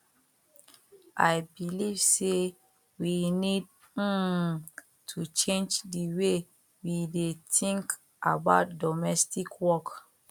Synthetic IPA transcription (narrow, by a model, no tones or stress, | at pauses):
ʔajbiliv̥se | winid̩̚ | tʰut͡ʃẽnd͡ʒdiwe | widetĩŋk | ʔa̰baʊt̚dɔmɛstikʰwɔk